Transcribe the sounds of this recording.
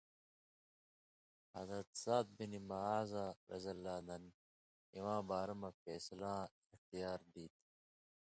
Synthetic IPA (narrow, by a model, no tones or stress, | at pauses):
hɐ̰zɾɐt̪saːt̪̚binimaaːzaːɾʔɐ̰zɐlːaːd̪ɐn | iwãːbaːɾɐmɐfeːslãːɪxt̪ijaːɾd̪iːt̪